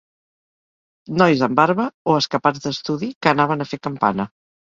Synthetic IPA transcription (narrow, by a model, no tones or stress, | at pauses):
nɔjzəmbaɾβəoəskəpazd̪əst̪uðikənaβ̞ənəfekəmpa̰nə